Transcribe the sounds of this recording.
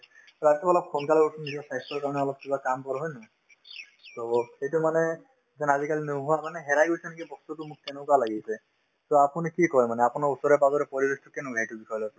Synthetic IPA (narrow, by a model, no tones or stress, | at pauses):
ɹatɔbɔlɔp̚kʰɔnkalɔbɔtunizɔɹsajstɔɹkaɹɔnɛɔlɔp̚kibakampɔɾɦɔjnɔ̃ | toxejtumanɛ | zɛnazikalinoɦʊwamanɛɦɛɾajɡojsɛnekibɔst̪utʊmʊk̚ːenʊ̃kɔalaɡisɛ | soapunikikɔjmanɛapʊnaɹusɔɹɛpaɡɔɾɛpɔɹibestukenʊ̃ɡʱajtubikʰɔjlɔs